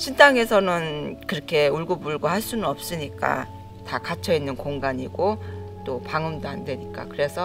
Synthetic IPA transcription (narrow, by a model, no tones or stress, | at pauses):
ɕʰintʰaŋe̞sʰʌnɯnkɯɾʌkʰe̞uɭɡubuɭɡohaɭs͈unɯnʌp̚s͈ɯɲik͈a̰ | takat͡ɕʰʌinːɯnkoŋɡaɲiɡ̥ot͈opaŋɯmdoandwe̞ɲik͈a̰kɯɾe̞sʰʌ